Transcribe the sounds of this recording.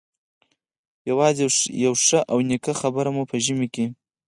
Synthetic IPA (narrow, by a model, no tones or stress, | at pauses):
jawɑzejawʂəʔawnikaxabəɾamupəʒəmike